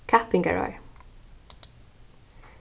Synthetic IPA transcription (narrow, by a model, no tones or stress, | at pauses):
kʰæpɪŋɡæ̰ɹɑ̰ɹ